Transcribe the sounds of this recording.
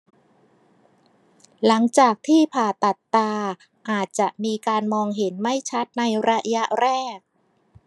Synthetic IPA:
la˩˦ŋt͡ɕaː˨˩k̚t̪ʰiː˥˩pʰaː˨˩t̪a˨˩t̪ːaː˧ | ʔaː˨˩t̪̚t͡ɕa˨˩ʔmiː˧kaː˧nmɔː˧ŋɦe˩˦nma˥˩jt͡ɕʰa˦˥t̪̚na˧jɾa˦˧˥ja˦˥ʔɾɛː˥˩k̚

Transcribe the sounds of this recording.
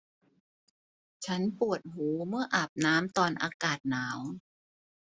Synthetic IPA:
t͡ɕʰa˦˥npu˨˩ət̪̚ɦuː˩˦mɯ˥˩ɐʔaː˨˩p̚naː˦˥mt̪ɔː˧nʔa̰ː˧kaː˨˩t̪̚naː˩˦w

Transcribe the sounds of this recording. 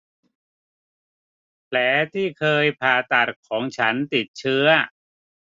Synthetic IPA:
pʰlɛː˩˦t̪ʰiː˥˩kʰɤː˧jpʰaː˨˩t̪a˨˩t̪̚kʰɔː˩˦ŋt͡ɕʰa˦˥nt̪i˨˩t̪̚t͡ɕʰɯ˦˥ɐ

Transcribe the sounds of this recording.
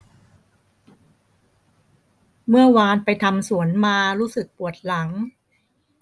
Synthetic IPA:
mɯ˥˩ɐwaː˧npa˧jt̪ʰa˧msu˩˦ənmaː˧ɾuː˦˥sɯ˨˩k̚pu˨˩ət̪̚la˩˦ŋ

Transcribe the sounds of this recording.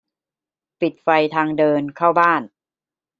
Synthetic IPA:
pi˨˩t̪̚fa˧jt̪ʰaː˧ŋdɤː˧nkʰaː˥˩wbaː˥˩n

